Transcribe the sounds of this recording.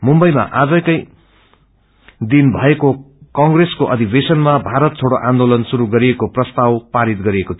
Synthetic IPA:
mumbʌjma̰ʔad͡zʌkʌj | d̪inbʱʌeko | kʌŋɡreskoʔʌd̪ʱibesʌnmabʱaɾʌt̪̚t͡sʰoɽoʔãnd̪olʌnsuɾuɡʌɾiekoprʌst̪awpaɾit̪̚ɡʌɾiekot̪ʰ

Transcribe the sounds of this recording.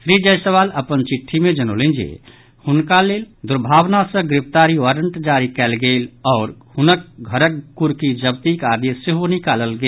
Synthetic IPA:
sɾid͡ʒəjsəβaləpənt͡ʃiʈʰːimed͡ʒənolend͡ʒḛ | hunkaleld̪uɾbʱabnasə̃ɡɾipt̪aɾiwaɾəɳʈd͡ʒaɾikɛlɡelɔːɾhunəkɡʱəɾəkːuɾkid͡ʒəbt̪ikad̪jeseɦonikaləlɡe

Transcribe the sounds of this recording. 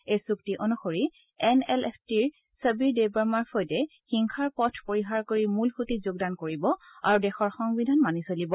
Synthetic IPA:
ejsuktiʔonuxoɹi | ɛnɛlɛstiɹ | səbiɹdebaɹmaɹfʰojtɛ | xiŋkʰaɹpɔtʰpoɹiɦaɹkoɹimulxutizoɡ̚dankoɹibɔa̰ɹudɛxɔɹxɔŋbidʱanmanisolibɔ

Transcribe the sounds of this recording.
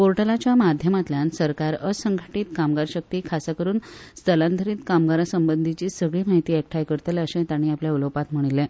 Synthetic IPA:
poɾʈəlat͡ɕjamad̪ʱjəmat̪ljansəɾkaɾəsəŋɡʱaʈiːt̪kamɡaɾɕək̚t̪iːkʰaskəɾuːnst̪ʰəland̪ʱəɾiːt̪kamɡaɾasəmbənd̪ʱit͡ɕiːsəɡɭiːmaɦit̪iːek̚ʈʰajkəɾt̪əleəɕẽt̪aɽ̃iːapljauləwpat̪m̤əɽ̃ilːe

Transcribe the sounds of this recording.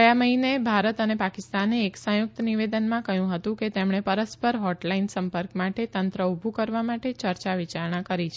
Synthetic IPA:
əjaməɦinebʱaɾət̪ənepakɪst̪aneːksə̃jʊk̚t̪əniʋed̪ənmãkəɦjũɦət̪ũket̪emɳepəɾəspəɾɦɔʈlainsəmpəɾkmaʈet̪ənt̪ɾəubʱukəɾʋamaʈet͡ʃəɾt͡ʃaʋit͡ʃaɾɳãkəɾit͡ʃʰe

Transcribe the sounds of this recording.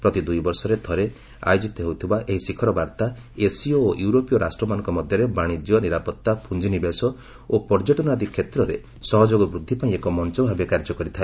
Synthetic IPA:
pɾɔt̪id̪ujbɔɾsɔɾed̪ʱɔɾe | a̰jod͡ʒit̪ɔɦeut̪ʰibaʔeɦisikʰɔɾɔbaɾt̪a | esiɔoʔjuɾopijɔɾʔasʈɾɔmanɔ̃ŋkɔmɔd̪ʱjɔɾebaɽ̃id͡ʒ̪jɔniɾapɔt̪ːapʰund͡ʒinibesɔ | opɔɾd͡ʒɔʈɔnad̪ikʰːet̪ɾɔɾe | sɔɦɔd͡ʒoɡɔbɾud̪ʱːipaĩekɔmɔnt͡ʃɔbʱabekaɾd͡ʒɔkɔɾit̪ʰae

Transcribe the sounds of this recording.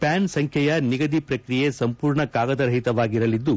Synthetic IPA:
paːnsɐŋkʰjɐjɐniɡɐd̪ipɾɐkɾijesɐmpuːɾɳɐkaːɡɐd̪ɐɾɐɦit̪ɐʋaːɡiɾɐlid̪ːu

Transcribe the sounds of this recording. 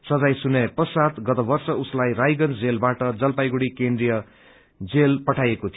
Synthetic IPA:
sʌd͡zajsunepʌsat̪ɡʌt̪ʌbʌrsʌuslajrajɡʌnd͡zelbaʈʌd͡zʌlpajɡuɽikend̪rijʌ | d͡zelpʌʈʰajekot̪ʰio

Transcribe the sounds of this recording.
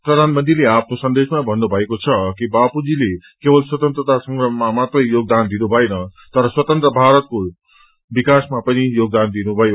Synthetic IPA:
prʌd̪ʱanmʌnt̪ileapʰnosʌnd̪esmabʱʌnːubʱʌekot͡sʰʌkibapud͡zilekebʌlswʌt̪ʌnt̪rʌt̪asʌŋɡrʌmamat̪rʌjjoɡ̚d̪and̪inubʱʌenʌt̪ʌɾʌswʌt̪ʌnt̪ɾʌbʱaɾʌt̪̚ko | bikasmapʌnijoɡ̚d̪and̪inubʱʌjo

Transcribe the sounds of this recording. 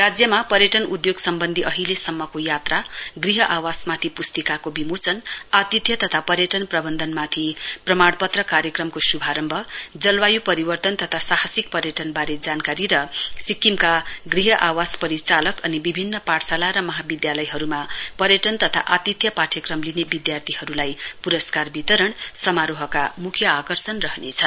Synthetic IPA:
rad͡zjʌmapʌɾjʌʈʌnud̪joɡsʌmbʌnd̪ʱiʔʌɦilesʌmːʌkojat̪raɡriɦʌʔawasmat̪ʰipust̪ikakobimot͡sʌnat̪it̪jʌt̪ʌt̪ʰapʌɾjʌʈʌnprʌbʌnd̪ʱʌnmat̪ʰiprʌmaɽpʌt̪rʌkaɾjʌkrʌmkosubʱaɾʌmbʱʌd͡zʌlwajupʌɾibʌrt̪ʌnt̪ʌt̪ʰasaɦasik̚pʌɾjʌʈʌnbaɾed͡zankaɾiɾʌsikːimkaɡriɦʌʔawaspʌɾit͡salʌkʌnibibʱinːʌpaʈsalaɾʌmʌɦabid̪jalʌjɦʌɾumapʌɾjʌʈʌnt̪ʌt̪ʰa̰ʔat̪it̪jʌpaʈʰjʌkrʌmlinebid̪jart̪ʰiɦʌɾulajpuɾʌskarbit̪ʌɾʌɳsʌmaɾoɦʌka̰mukʰjʌakʌrsʌnrʌɦnet͡sʰʌ

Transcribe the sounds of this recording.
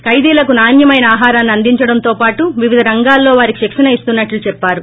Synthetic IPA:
kɐjd̪iːlɐkunaːnjɐmɐjnɐaːɦaːɾaːnːiɐnd̪iɲt͡ʃɐɽɐnt̪o̞ːpaːʈuʋiʋid̪ʱɐɾɐŋɡaːlːo̞ːʋaːɾikiʃɛkʂɐnɐist̪unːɐʈlut͡ʃɛpːaːɾu

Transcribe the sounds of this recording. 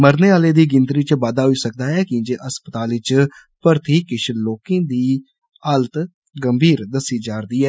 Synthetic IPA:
məɾneːaːleːd̪iːɡɪnt̪ɾiːt͡ʃbaːd̪aːɦoiːsək̚d̪aːɛːkĩːd͡ʒeːʔəspət̪aːlɪt͡ʃ | pəɾt̪ʰiːkɪʃʰloːkẽːd̪iː | aːlət̪ | ɡəmbʱiːɾd̪əsiːd͡ʒaːɾd̪iːɦɛː

